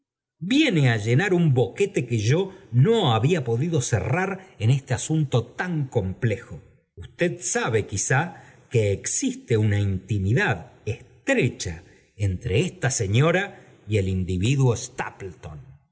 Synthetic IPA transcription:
bje̞neaʒe̞naɾumbo̞ke̞t̪e̞keʒo̞no̞aβiapo̞ðiðo̞sḛraɾenest̪easunt̪o̞t̪aŋko̞mple̞xo | ust̪e̞ðsaβekisakeːksist̪eunaint̪imiðaðest̪ɾet͡ʃa̰ | ent̪ɾeest̪ase̞ɲo̞ɾa | ielind̪iβ̞iðwo̞est̪a̰plt̪on

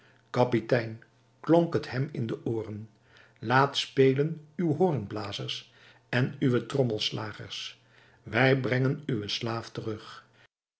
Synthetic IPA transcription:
kɑpitɛjn | kloŋkəthɛmɪ̰ndəʔoːrən | laːtspejlənywɦoːrənblaːzərs | ɛnyʋətrɔməlˠslaːχə̰ɹs | ʋɛjbrɛŋənyʋəslaːftərɵχ

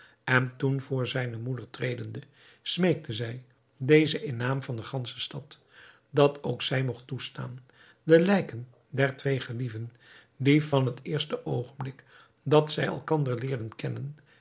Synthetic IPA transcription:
ʔɛntunvʊːɹzɛjnəmudəɹtrejdəndə | smejk̚tʰəzɛj | dejzəʔɪnːaːmvɑndəχɑnsə̥stɑt | dɑtowksɛjmɔχtusta̰ːn | dəlɛjkən | dɛɹtʋejχəlivən | divɑnɦətɪːɹstəʔowχənblɪk | dɑtsɛjɛ̰lˠkɑndəɹlɪːɹdənkɛnən

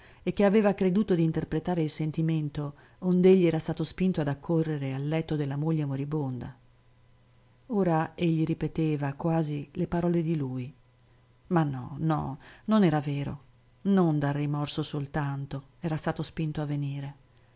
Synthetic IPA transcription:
ek̟ːeaveːvakɾed̪uːt̪od̪iːnt̪erpɾet̪aːɾeilsent̪iment̪o | ond̪eʎːiɛːɾast̪aːt̪ospint̪oad̪akʰːorːeɾealːɛt̪ːod̪elːamoʎːemoɾibond̪a̰ | oːɾaeʎːiɾipet̪eːvakwaːzilepaɾɔːled̪iluj | manːɔ̰nɔ̰nonɛːɾaveːɾo̰ | nond̪arːimɔrsosolt̪ant̪o | ɛːɾast̪aːt̪ospint̪oavːeniːɾe

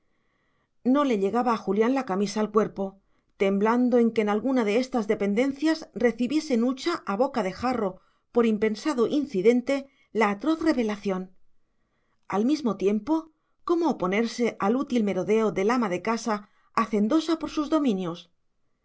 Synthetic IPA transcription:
no̞le̞ʎe̞ɣaβaːxuljanlakamisaːlkwe̞ɾpo̞ | t̪e̞mbland̪o̞e̞ŋkeːnalɣunaðe̞est̪azðe̞pe̞nd̪e̞nθjasre̞θiβje̞se̞nut͡ʃaʔaβ̞o̞kaðe̞xaro̞ | po̞ɾimpe̞nsaðo̞ʔinθiðe̞nt̪e̞ | laːt̪ɾo̞θre̞βe̞laθjo̞n | almizmo̞t̪je̞mpo̞ | ko̞moːpo̞ne̞ɾse̞ʔalut̪ilme̞ɾoðe̞oðe̞lamaðe̞kasaː | θe̞nd̪o̞sapo̞ɾsuzðo̞mĩnjo̞s

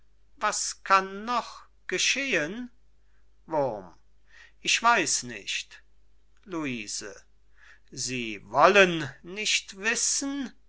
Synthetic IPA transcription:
vaskʰanːɔχ | ɡ̥əʃeːən | vʊm | ʔɪçv̥aɪsnɪ̰ʃt | luiːz̥ə̰ | ziːvɔlənnɪʃtv̥ɪsn̩

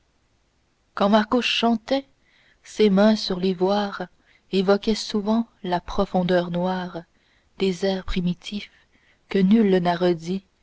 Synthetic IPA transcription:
kɑ̃maʁkoɑ̃t̪ɛ | semɛ̃syʁlevwaːʁ | evɔkʲɛsuvɑ̃ | lapχɔfɔ̃d̪œʁnwaːʁ | d̪̥ezɛːʁpχimit̪ʰif | kənylnaʁəd̪i

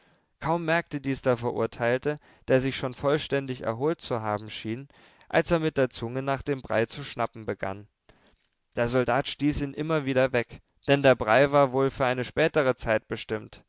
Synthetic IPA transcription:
kʰaʊmːɛɐk̚tədiːsd̥afɛɐʔʊ̰ɐtʰaɪltə | d̥eːɐzɪçʃoːnfɔlʃtɛndɪçɛ̰ɐɦoːlt̚t͡suɦaːbm̩ʃiːn | ʔa̰lseːɐmɪt̚d̥eːɐt͡sʊŋənaːχd̥eːmbʁa̰ɪt͡suʃnapm̩bəɡa̰n | d̥eːɐzɔldaːtʃtiːsiːnʔɪmɐviːdɐvɛk | d̥ɛndeːɐbʁaɪvaːɐvoːlfyːɐʔaɪnəʃpɛːtəʁət͡saɪt̚b̥əʃtɪmt

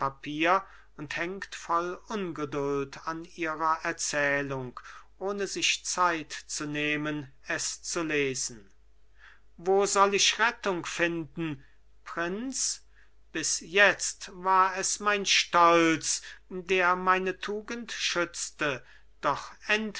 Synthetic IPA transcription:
papʰiːɐ | ʊnthɛŋktfɔlʊnɡədʊltʰaniːʁɐʔɛɐt͡sɛːlʊŋkʔoːnəzɪʃt͡saɪtt͡suneːmən | ɛst͡suleːzn̩ | voːzɔlɪʃʁɛtʊŋkfɪndn̩ | pʁɪnt͡s | b̥ɪsjɛt͡stvaːɐɛsmaɪnʃtɔlt͡sdeːɐmaɪnətʰuːɡəntʃʏt͡stə | d̥ɔχɛnt

